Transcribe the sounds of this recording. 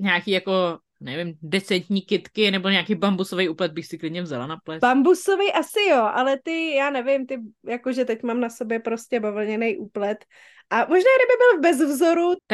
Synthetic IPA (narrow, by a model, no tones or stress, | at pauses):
ɲaːkiːjako̞ | nɛvɪmdɛt͡sɛnt̪ɲiːkɪt̪kɪnɛboɲaːkijbambusovɛjuːplɛt̪̚bɪxsɪklɪdɲɛvzalanaplɛbambusovɛjʔasɪjoʔalɛt̪ɪjaːnɛvɪmt̪ɪjakoʒɛt̪ɛcmaːmnasobjɛpɾoscɛbavl̩ɲɛnɛjʔuːplɛt̪ | ʔamoʒnaːɡdɪbɪbɪlvbɛzvzoɾut̪a